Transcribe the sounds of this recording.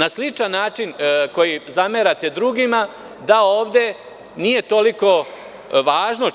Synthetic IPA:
naslit͡ʃanːaːt͡ʃinko̞jizameɾat̪e̞d̪ɾuːɡima | d̪ao̞ːʋd̪e̞ | nije̞t̪o̞liko̞ | ʋaːʒno̞

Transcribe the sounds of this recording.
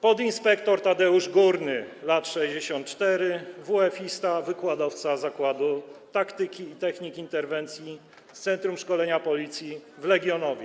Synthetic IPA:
pɔd̪inspɛkt̪ɔɾt̪ad̪ɛuʐɡuɾnɘlat̪ʂɛʑd͡ʑeɕɔnt̪t͡ʂt̪ɛɾɘvuɛfʲist̪avɘkwad̪ɔft̪sazakwad̪ut̪akt̪ɘkʲiːt̪ɛxɲikʲint̪ɛɾvɛnt̪sʲji | t̪sɛnt̪ɾumʂkɔlɛɲapɔlʲit̪sʲjivlɛɡʲjɔnɔvʲjɛ

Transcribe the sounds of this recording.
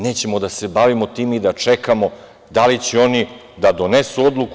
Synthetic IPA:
ne̞ːt͡ɕe̞mo̞d̪ase̞baʋimo̞t̪iːmid̪at͡ʂe̞kamo̞ | d̪alit͡ɕeo̞ni | d̪ad̪o̞nesuo̞d̪lˠuk

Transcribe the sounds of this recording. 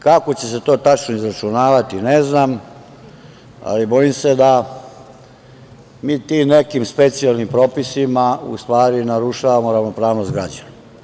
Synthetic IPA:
kako̞t͡ɕe̞se̞t̪o̞ːt̪at͡ʃnoizɾat͡ʃunaːʋat̪ineznam | a̰libo̞jimsed̪a | miːt̪imne̞kimspe̞t̪sialˠnimpɾoːpisimaṵst̪ʋaːɾinaɾuʃaʋamo̞ɾaʋno̞pɾaːʋno̞st̪ɡɾad͡ʑana

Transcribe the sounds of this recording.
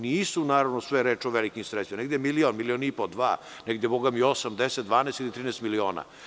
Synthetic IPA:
niːsunaːɾaʋnosʋeɾeːt͡ʃoʋelikimsɾesimaneɡd̪jemilionmilionipod̪ʋa̰ː | neɡd̪jeboɡamiosamd̪eset̪̚d̪ʋaːneːst̪ilit̪ɾiːnɛst̪milioːna̰

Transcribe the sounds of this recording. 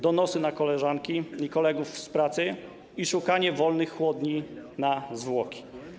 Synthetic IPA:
d̪ɔnɔsɘnakɔlɛʐaŋkʲiikɔlɛɡufspɾat̪sɘ | iʂukaɲɛvɔlnɘxːwɔd̪ɲinazvwɔkʲi̥

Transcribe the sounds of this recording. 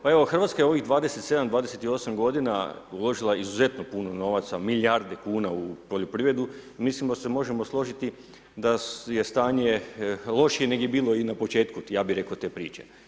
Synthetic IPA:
pae̞ʋoxr̩ʋat̪skaje̞o̞ʋiɣd̪ʋaːd̪eset̪se̞d̪amd̪ʋaːd̪eset̪io̞samɡo̞d̪inaulo̞ʒilˠaizuze̞t̪no̞puno̞no̞ʋat̪samiʎjaɾd̪e̞kuːnaupoʎʲopɾiːʋɾe̞d̪umislimd̪ase̞mo̞ʒe̞mo̞slˠo̞ʒit̪i | d̪aje̞st̪aːɲe̞lˠo̞ʃijene̞ɡjebiːlˠo̞inapo̞t͡ʃe̞ːt̪kujaːbiɾe̞koot̪e̞ːpɾiːt͡ʃe̞

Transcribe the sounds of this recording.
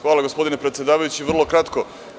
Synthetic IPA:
xʋaːlˠaɡospo̞d̪inepɾet̪sje̞d̪aːʋajut͡ɕiʋr̩lˠo̞kɾat̪ko

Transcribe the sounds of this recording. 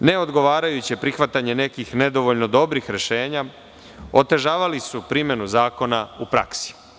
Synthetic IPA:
ne̞o̞d̪ɡo̞ʋaːɾajut͡ɕipɾixʋat̪aɲe̞ne̞kixne̞d̪o̞ʋoʎno̞d̪o̞bɾixɾe̞ʃe̞ːɲa | o̞t̪e̞ʒaːʋalisupɾimje̞nuzaːko̞naupɾa̰ksi̥

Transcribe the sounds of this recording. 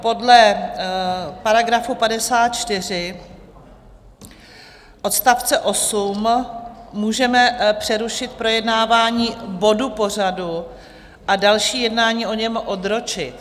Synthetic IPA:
po̞dlɛ | paɾaɡɾafupadɛsaːt̪̚t͡ʃt̪ɪr̝ɪ | ʔo̞t̪st̪aft͡sɛʔo̞sumː | uːʒɛmɛpr̝̥ɛɾuʃɪt̪̚pɾo̞jɛdnaːvaːɲiːbo̞dupo̞r̝adu | ʔadalʃiːjɛdnaːɲiːʔo̞ɲɛmʔo̞d̪ɾo̞t͡ʃɪt̪

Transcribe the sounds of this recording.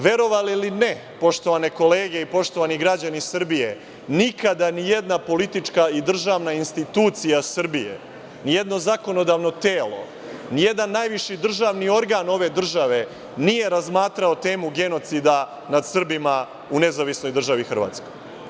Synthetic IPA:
ʋe̞ɾo̞ʋaliline̞ | po̞ʃt̪o̞ʋane̞ko̞leːɡe̞ipo̞ʃt̪o̞ʋaniɡɾad͡ʑanisr̩bije | nikʰad̪anije̞d̪napo̞lit̪it͡ʃkaid̪r̩ʒaːʋnainst̪it̪uːt̪sijasr̩bijḛ | nije̞d̪no̞zako̞no̞d̪aːʋno̞t̪eːlo̞̰ | nije̞d̪anːaːjʋiʃid̪r̩ʒaːʋnio̞ɾɡaːno̞ʋe̞d̪r̩ʒaʋe̞ | nije̞ɾazmaːt̪ɾaot̪e̞ːmuɡe̞no̞t̪sid̪a | nad̪sr̩bima | une̞zaʋisno̞jd̪r̩ʒaʋixr̩ʋa̰ːt̪sko̞jj

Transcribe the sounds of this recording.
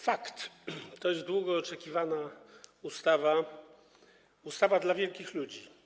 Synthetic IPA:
fakt̪t̪ːɔjɛzd̪wuɡɔːt͡ʂɛkʲivanaust̪ava | ust̪avad̪lavʲjɛlkʲixlud͡ʑi

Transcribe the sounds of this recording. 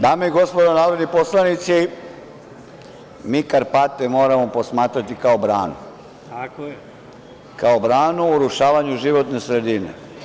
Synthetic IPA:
d̪aːmeiɡo̞spo̞d̪onaːʋɾod̪niposlˠanit̪si | miːkaɾpat̪emo̞ːɾamopo̞smaːt̪ɾat̪ikaobɾaːnṵ | kaobɾaːnuuɾuʃaːʋaɲuʒiʋo̞t̪ne̞sɾe̞d̪inḛ

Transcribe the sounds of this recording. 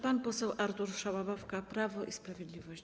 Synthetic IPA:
panpɔsɛwʔaɾt̪uɾʂawabɔfkapɾavɔʔispɾavʲjɛd̪lʲivɔɕt͡ɕ

